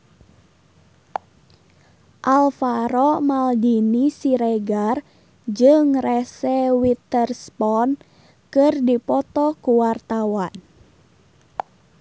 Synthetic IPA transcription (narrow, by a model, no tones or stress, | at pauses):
ʔalfaɾɔmaldinisiɾɛɡar | d͡ʒɨŋrɛsɛwit̪ərspɔn | kɨrdipɔt̪ɔkuwart̪awan